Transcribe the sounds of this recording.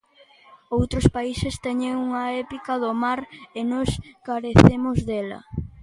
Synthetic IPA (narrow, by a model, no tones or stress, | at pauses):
owt̪ɾospaisest̪ɛɲeŋuŋɐɛpikɐðomaɾenɔskaɾeθemʊzðɛlɐ̰